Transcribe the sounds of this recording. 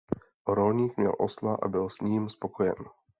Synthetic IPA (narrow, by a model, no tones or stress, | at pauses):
ʔoɾolɲiːkmɲɛ̰lʔo̰slaʔa̰bɪlsɲiːmspokojɛ̰n